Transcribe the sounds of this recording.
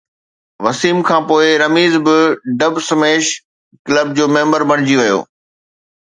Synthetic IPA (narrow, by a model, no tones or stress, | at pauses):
ʋɐsiːmkʰãːpoːɪɾɐmiːzbɪɖɐbsɐmeːʃ | kɪləb̚d͡ʑoːmẽːmbəɾbɐɽ̃ɪd͡ʑiʋɐjo̰ː